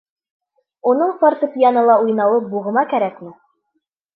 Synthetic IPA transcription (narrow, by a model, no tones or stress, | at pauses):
unɤɴfɑɾt̪ɤpʲjanɤlˠɑujnɑwɤp̚buʁɤ̆mɑkæɾækmɘ